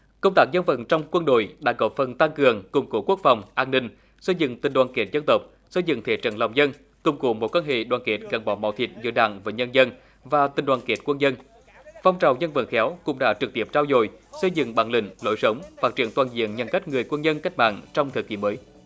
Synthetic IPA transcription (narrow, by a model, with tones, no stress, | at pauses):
kə˧wŋ͡mt̪aː˦˥k̚zə˧nvə̰˧˩nt͡ɕɔ˧wŋ͡mkwə˧nɗo̰˧˨jɗa̰ː˧˥kɔ˨˦fə˨˩nt̪a˧ŋkɨ˨˩əŋkʊ˨˩ŋ͡mku˨˧˩əku˦˥ək̚fa˨˩wŋ͡mʔaː˧nːï˧ŋ̟ | sə˧jzɨ̰˧˨ŋt̪i̟˨˩ɗwaː˨˩nke˨˩˥t̚zə˧nt̪ə˨˩wk͡p̚ | sə˧jzɨ̰˧˨ŋt̪ʰe˨˦t͡ɕə̰˧˩nla˨˩wŋ͡mzə˧n | kʊ˨˩ŋ͡mku˨˧˦mo˨˩kwaː˧nhḛ˧˨ɗwaː˨˩nke˨˩˥t̚ɣa˨˩ŋɓɔ˨˦ma̰˧˨˦wt̪ʰḭ˨˩t̚zɨ̰˧˦əɗa̰ː˧˨ŋvəː˨˦ɲə˧nzə˧n | vaː˨˩t̪i̟˨˩ɗwaː˨˩nke˨˩˥t̚kwə˧nɲə˧n | fa˧wŋ͡mt͡ɕa˨˩wzə˧nvə̰˧˩n̚xɛ˨˦wkʊ̰˧˥ŋ͡mɗa̰ː˧˥t͡ɕɨ˨˩k̚t̪i˧˩əp̚t͡ɕaː˧wzo̰˧˨jsə˧jzɨ̰˧˨ŋɓa̰ː˧˩nlḭ̈˧˩ŋ̟lo̰˧˦jsə˨˦wŋ͡mfaː˦˥t̚t͡ɕḭ˧˩ənt̪waː˨˩nzḭ˧˨ənɲə˨˩nka˦˥k̟̚ŋɨ˨˩əjkwə˧nɲə˧nka˦˥k̟̚ɓa̰ː˧˨ŋt͡ɕɔ˧wŋ͡mt̪ʰəː˨˩ki˧˩˦məː˨˦j